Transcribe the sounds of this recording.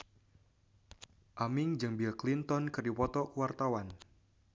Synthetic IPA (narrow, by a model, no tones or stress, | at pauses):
ʔamɪŋd͡ʒɨŋbilklint̪ɔnkɨrdipɔt̪ɔkuwart̪awan